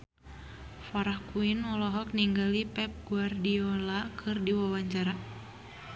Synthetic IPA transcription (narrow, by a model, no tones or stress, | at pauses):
fɔɾahkuinɔlɔɦɔk̚niŋɡalipɛp̚ɡuardiɔlakʰɨrdiwawaɲt͡ʃaɾa